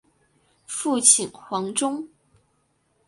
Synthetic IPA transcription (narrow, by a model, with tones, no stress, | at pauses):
fu˥˩t͡ɕʰi˨˩nxwɑ˧˥ŋʈ͡ʂʊ˥ŋ